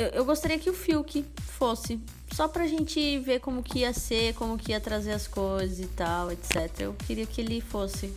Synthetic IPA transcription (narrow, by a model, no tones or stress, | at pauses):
ewʔewɡost̪aɾiɐkɪʊfiwkɪfosɪ | sɔpɾɐʒẽnt͡ʃɪveɾkõmʊkɪiɐseɾkõmʊkɪiɐt̪ɾazeɾɐskojzɐzɪt̪awet̪sɛt̪eɾɐ̰ḛwkeɾiɐkɪelɪfosɪ